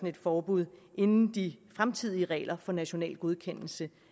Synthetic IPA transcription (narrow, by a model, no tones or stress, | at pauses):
n̩e̝d̥fɒːb̥uð̞̰ˠʔe̝nn̩d̥ifʁamt͡sʰið̞̰ˠiəʁɛ̰ːlʔɐfɒ̽næɕo̝nɛ̰ːlɡ̥o̝ð̞ˠkʰen̰l̩sə